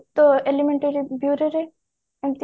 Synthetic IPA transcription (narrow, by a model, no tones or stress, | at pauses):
t̪oelimẽɳʈeɾibjuːɾeɾe | emt̪